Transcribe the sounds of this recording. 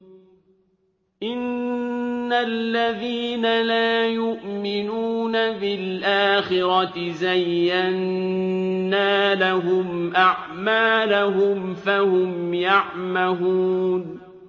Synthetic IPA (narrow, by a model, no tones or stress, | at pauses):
ʔɪnː | alːaðiːnalaːjʊʔmɪnuːnabɪlʔaːxɪɾɑt̪zajːanː | aːlaɦʊmʔaʕ | maːlaɦʊmfahʊmjaʕmahuːn